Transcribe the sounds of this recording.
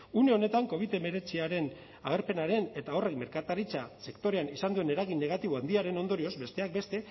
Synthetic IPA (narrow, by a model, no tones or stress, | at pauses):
une̞o̞ne̞t̪aŋko̞β̞iðe̞me̞ɾe̞t͡siaɾe̞n | aɣ̞eɾpe̞naɾe̞ne̞t̪ao̞re̞kme̞ɾkat̪aɾit͡sase̞kt̪o̞ɾe̞anisand̪uene̞ɾaɣinːe̞ɣ̞at̪iβ̞o̞and̪iaɾe̞no̞nd̪o̞ɾio̞zbe̞st̪e̞ak̚be̞st̪e̞